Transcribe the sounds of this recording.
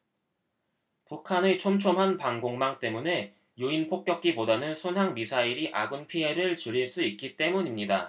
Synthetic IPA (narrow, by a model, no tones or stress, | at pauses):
pukʰanet͡ɕʰomt͡ɕʰomɦanpaŋɡoŋmaŋt͈e̞mune̞ | juinpʰok̚k͈jʌk̚k͈ibodanɯnsʰonɦaŋmisʰaiɾiʔaɡɯnpʰie̞ɾɯɭt͡ɕuɾiɭs͈uit̚k͈it͈e̞muɲimɲida